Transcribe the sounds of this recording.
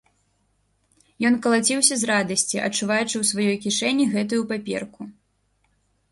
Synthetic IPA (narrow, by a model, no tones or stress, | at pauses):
jɔnkɐlˠat͡sʲiwsʲɐzrad̪ɐsʲt͡sʲiʔɐ̰t͡ʂːuvajut͡ʂɨwsvajɔjkʲiʂɛnʲːiɣɛt̪̬ujupapʲɛ̰rku